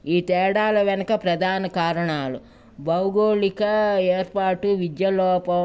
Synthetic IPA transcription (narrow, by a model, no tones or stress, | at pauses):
iːt̪ɛːɽaːlɐʋɐnɐkɐpɾɐd̪ʱaːnɐkaːɾɐɳaːlu | bɐwɡoːɭikɐeːɾpaːʈuʋid̪jɐlɔːpɐ